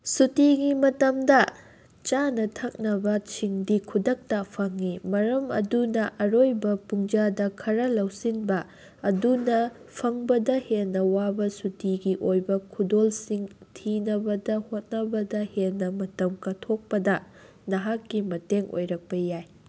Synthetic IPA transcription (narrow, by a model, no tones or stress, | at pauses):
sutiɡimɐtɐmdɐ | t͡ʃanɐtʰɐk̚nɐbɐt͡ʃʰiŋdikʰudɐk̚tɐpʰɐŋimɐɾɐmɐ̰dunɐʔɐɾojbɐpuŋd͡ʒadɐkʰɐɾɐlɐwsinbɐː | dunɐ | pʰɐŋbɐdɐhelnːɐwabɐsutiɡiʔojbɐkʰudolsiŋtʰinɐbɐdɐhot̚nɐbɐdɐhenːɐmɐtɐmkɐtʰok̚pɐdɐ | nɐɦakːimɐteŋʔo̰jɾɐk̚pɐjaj